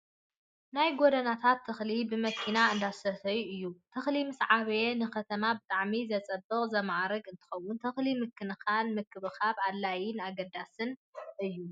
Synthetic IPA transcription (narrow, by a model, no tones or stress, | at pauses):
najɡod̪ɐnat̪ʰat̪ʰːɐxlibɨmɐkʰːinaɨnd̪asɐt̪ɐjuɨjːut̪ʰɐxlimɨsʕaβjenɨkɐt̪ʰɐmabɨt̪ʼaʕmizɐt͡sʼɐbːɨkʼzɐmaʕɾɐɡɨnt̪ʰɨ̥xɐwːʊnt̪ʰɐxlimɨkʰːɨnɨxalmɨkʰːɨβɨxaβadlːajɪnaɡɐd̪asɨnʔɨjːu